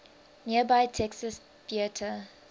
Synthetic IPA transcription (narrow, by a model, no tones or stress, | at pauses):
niəbaɪtʰɛksəs | θiətʰə